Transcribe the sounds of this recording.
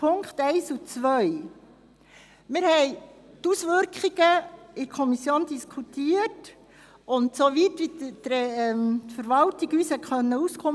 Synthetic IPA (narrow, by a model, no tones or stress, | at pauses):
pʰʊŋkχtɛɪsut͡sʋœɥ | mɪɾhɛɪ | tusʋʏɾkχiɡ̥əɪɾkʰɔmisjoːnd̥iskʰχutiːət | ʊntsoʋitʋid̪ɾɛɛmfəɾvɑltiɡyːshɛχœnːəuskʰʊm